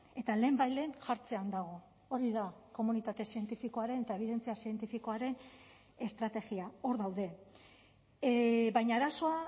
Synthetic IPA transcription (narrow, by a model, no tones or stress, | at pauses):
e̞t̪ale̞ːmbajle̞ːnʝaɾt͡se̞and̪aɣ̞o̞ | oɾiðako̞munit̪at̪e̞sie̞nt̪ifiko̞aɾe̞net̪ae̞β̞iðe̞nt͡siasie̞nt̪ifiko̞aɾe̞n | e̞st̪ɾat̪e̞ɣiao̞ɾðawðe̞ | βajɲaːɾaso̞a